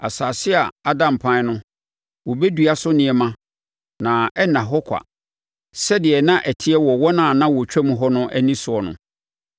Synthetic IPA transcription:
a˨saː˨sɪ˦a˨a˦dã˨m̩˨pʰã˦n˦nʊ̃˦ | wɔ˨bɛ˦du˨a˨sʊ˦nɪ̃˨˦ɛ˨mã˦ | nã˨ɛ˦nã˨ɦɔ˦kʷʰa̰˨ | sɛ˦dɪ˨ɛ˨nã˦ʔæ˨tʰɪ˦ɛ˦wɔ˨wɔ˦nã˨nã˦wɔ˨t͡ɕᶣɛ˦mũ˦ɦɔ˦nʊ̃˦ʔæ˦nĩ˦sʊ˨ɔ˨nʊ̰̃˨

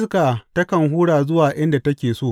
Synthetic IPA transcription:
skaː˨tɐ˦kɐ˨ŋɦuː˦ɽaː˨zʊ˦waː˨ʔɪ˦nda˨tɐ˦kʲeː˨soː˦˨

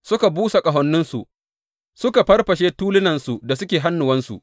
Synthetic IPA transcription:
sʊ˦ka˨buː˦sa˨kʼɐ˨ɦɔ˦nːʊ˦nsu˨ʔ | sʊ˦ka˨ɸɐ˦rɸɐ˨ʃeː˦tuː˦lɪ˦nɐ˨nsu˨da˨sʊ˦kʲeː˨ɦa˦nːʊ˨wɐ˦nsṵ˨ʔ

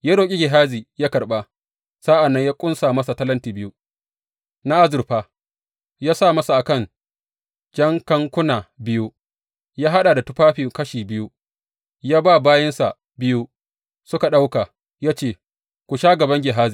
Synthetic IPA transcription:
jaː˦ɽoː˨kʲʼi˦ɡʲɪ˨ɦaː˦ziː˨jaː˦kɐ˨rɓa˦ | sa˦ʔa˨nːɐ˦ɲjaː˦kʷʼʊ˦nsaː˨mɐ˦sa˨tɐ˦lɐ˦ntiː˨bɪ˦ju˦ | na˦ʔa˦zʊ˨rɸaː˦ | jaː˦saː˦˨mɐ˦sa˨ʔa˨kɐ˦˨n | d͡ʒɐ˦ŋkɐ˦ŋkʷʊ˦naː˨bɪ˦ju˦ | jaː˦ɦa˦ɗa˨da˨tʊ˦ɸaː˦ɸiː˨kɐ˦ʃiː˨bɪ˦ju˦ | jaː˦baː˦˨baː˦jɐ˦nsa˨ | bɪ˦ju˦ | sʊ˦ka˨ɗa˦wka˨ | jaː˦t͡ʃeː˦˨ | kʷu˨ʃaː˦ɡɐ˨bɐ˦ŋɡʲɪ˨ɦaː˦ziː˨

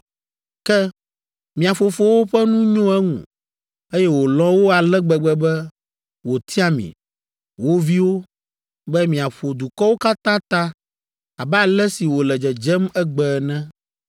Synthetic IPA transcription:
kɛ˦ | mĩ˨a˨fo˨fo˦wo˦ɸɛ˦nũ˦ɲõ˦ɛ˦ŋṵ̃˨ | e˦jɛ˦wo˨lɔ̃˦wo˦a˨lɛ˦ɡ͡bɛ˨ɡ͡bɛ˦bɛ˦ | wo˨t̪ʰi˦a˦mḭ̃˨ | wo˦vi˦wo˦ | bɛ˦mĩ˨a˨ɸo˨d̪u˨kɔ˦wo˦ka˦t̪ã˦t̪ã˦ | a˨bɛ˦a˨lɛ˦si˨wo˨lɛ˨d͡ʒɛ˨d͡ʒɛ˦mɛ˦ɡ͡bɛ˨nɛ̃˦

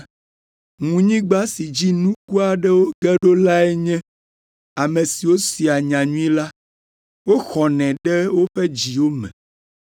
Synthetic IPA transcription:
ŋũ˨ɲĩ˦ɡ͡ba˦si˨d͡ʑi˦nũ˦ku˦a˨ɖɛ˦wo˦ɡɛ˦ɖo˦la˦ɛ˦ɲɛ̃˦ | a˨mẽ˨si˨wo˦si˨a˨ɲã˨ɲũ˦ĩ˦la˦ | wo˦xɔ˨nɛ̃˨ɖɛ˦wo˦ɸɛ˦d͡ʑi˨wo˦mɛ̰̃˨

